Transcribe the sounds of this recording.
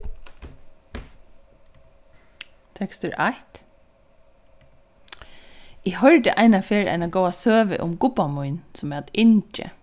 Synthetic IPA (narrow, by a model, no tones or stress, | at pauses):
t̪ʰɛkst̪əɾʔæt̪ | iːhœɹd̪əʔæɪnɑfeːɾʔæ̰ɪnɑɡoːɑsøːʋə̰ʔʊmɡʊbɑmɔʏnsɔmæːɑt̪ɪnt͡ʃə̰